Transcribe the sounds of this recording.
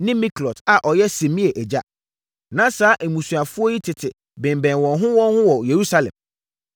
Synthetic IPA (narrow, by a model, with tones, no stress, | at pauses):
nɪ̃˦mĩ˦klɔ˨ta˨ʔɔ˨jɛ˦se˨mĩ˦e˨ʔɛ˨d͡ʑa˦ | nã˦saː˨˦ʔe˨mũ˨su˨a˨fʊ˦ɔ˦ji˦tʰɪ˨tʰɪ˨ | bɪ̃˨m˨bɛ̃˨nwɔ̃˨nɦʊ̃˦wɔ̃˦n˦hʊ̃˦wɔ˨je˨ɾu˦sa˦lɛ̰̃˨m